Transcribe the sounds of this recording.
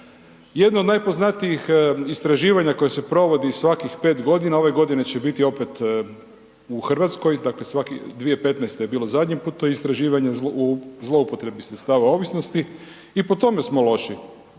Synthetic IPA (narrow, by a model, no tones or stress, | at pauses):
je̞d̪nod̪najpo̞znat̪ijixist̪ɾaʒiːʋaɲako̞jese̞pɾo̞ʋo̞d̪isʋakixpet̪ɡo̞d̪inao̞ʋe̞ɡo̞d̪inet͡ɕebit̪io̞pe̞t̪ | uxrʋat̪sko̞jd̪aklesʋakid̪ʋiepe̞t̪najst̪eebiːlo̞zad̪ɲimpuːt̪ojist̪ɾaʒiːʋaɲeuzlˠo̞upo̞t̪ɾe̞bisɾet̪st̪aːʋao̞ʋisnost̪i | ipo̞t̪o̞mesmolo̞ʃi